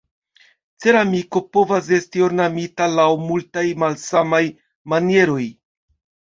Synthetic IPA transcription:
t͡se̞ɾamiko̞po̞vas̬e̞stio̞ɾnamitalawmultajmalsamaj | manije̞ɾo̞j

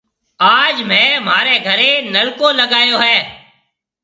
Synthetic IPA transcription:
aːd͡ʒmɛ̃ːmaːɾeːɡʱəɾeːnəlkoːləɡaːjoːɦɛː

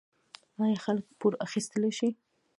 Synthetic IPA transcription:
ɑjaxaləkpuɾaxist̪əleʃi

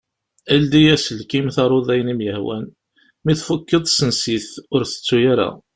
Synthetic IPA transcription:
æld̪ijæsəlkimθɑɾˤoðˤæjnimjəhwæ̰n | miθfukːəðˤsənsiθʊɾθə̥t͡sːujaɾa̰

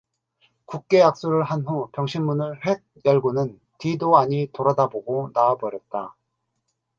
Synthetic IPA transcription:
kuk̚k͈e̞jak̚s͈oɾɯɭɦanɦupjʌŋɕʰinmunɯɭɸwe̞t̚jʌɭɡunɯn | tidoaɲitoɾadaboɡonaːbʌɾjʌt̚t͈a

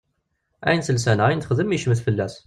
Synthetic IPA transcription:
æ̰jnsəlsænæjnθəχðəmiʃməθfəlːæs

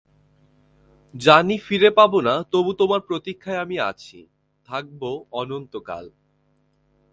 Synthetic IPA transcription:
d͡ʑanifiɾepabonat̪obut̪omaɾpɾot̪ikʰːaeamia̰t͡ɕʰḭ | t̪ʰak̚boɔnont̪oka̰l

